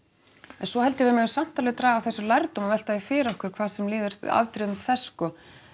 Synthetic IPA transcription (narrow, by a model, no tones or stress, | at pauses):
ɛnsɔhɛlt̪ɪvɪɾmɛɣsam̥t̪alɪðt̪ɾaːɣawθɛsːʏlajɾt̪umavɛl̥t̪aɪfɪːɾɔhkʏɾ̥kʰv̥aːðsɛmlɪːðʏɾ̥̰a̰vt̪ɾɪðmθɛsːkɔː